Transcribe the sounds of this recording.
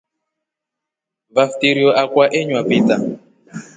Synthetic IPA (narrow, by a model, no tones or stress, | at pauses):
vaftiɾiɔʔakwaʔeɲwapita